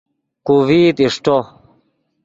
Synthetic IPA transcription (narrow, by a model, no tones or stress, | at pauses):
kuviːt̪iʂʈo